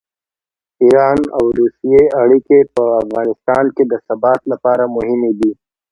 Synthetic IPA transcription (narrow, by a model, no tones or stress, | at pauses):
iːɾaːnɐwɾuːsijeɐɽikepəɐfɣaːnɪst̪aːnked̪əsɐbaːt̪lɐpaːɾamʊɦɪmib̪iː